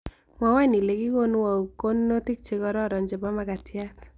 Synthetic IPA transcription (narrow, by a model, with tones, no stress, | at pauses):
mwa˨wa˦ni˨le˨ki˦ko˦n˦wa˨u˨ko˦nː˦o˦tɪ˦k̚t͡ʃe˦kɔ˦ɾɔ˦˨ɾɔ˨nd͡ʒɪ˨bɔ˦maka˨tɪa˦t